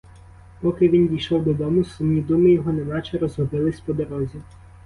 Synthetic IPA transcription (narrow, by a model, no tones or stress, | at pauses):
pɔkɪʋʲind̪ʲijʃɔwd̪ɔd̪ɔmʊsumnʲid̪umɪjɔɦɔnɛnɑt͡ʃɛɾɔzɦɔbɪlˠɪsʲpɔd̪ɔɾɔzʲi